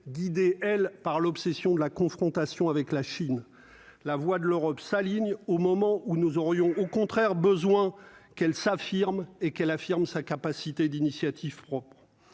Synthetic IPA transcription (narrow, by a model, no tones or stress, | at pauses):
ɡʲid̪eʔɛlpaʁlɔpsɛsjɔ̃d̪əlakɔ̃fχɔ̃t̪asjɔ̃avɛklaʃin | lavwad̪əløʁɔpsaliɲomɔmɑ̃ʔunuzɔʁjɔ̃okɔ̃t̪χɛʁbəzwɛ̃kɛlsafiʁmekɛlafiʁmsakapasit̪ed̪inisjat̪ʰivpχɔpχ